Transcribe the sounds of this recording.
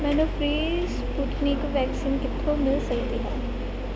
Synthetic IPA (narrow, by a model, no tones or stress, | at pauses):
mɛːnofɾiːspuːʈnikʋɛːksiːnkɪt̪ʰːomɪlsɐkt̪iɦɛ̰ː